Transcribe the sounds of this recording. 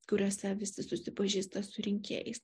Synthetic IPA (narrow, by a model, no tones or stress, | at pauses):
kʊɾʲoːsʲɛʋʲɪsʲɪsʊsʲɪpɐʒʲiːst̪ɐsʊɾʲɪŋʲkʲḛːjɛɪs